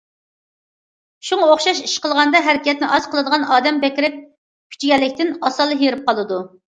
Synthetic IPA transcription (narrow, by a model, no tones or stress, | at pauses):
ʃuŋɑoχʃɑʃiʃqəlˠʁɑnd̪ɑɦæɾɪkʲɛt̪̚nɪʔɑz̥qʰəlˠɨd̪əʁɑnɑːd̪ɛmbɛkʲɪɾɪp̚ | kʲʰy̥t͡ʃʰiɡʲɛlːɪkʲt̪ɪnɑsɑlˠːɨjeɾɪp̚qɑlˠɨd̪u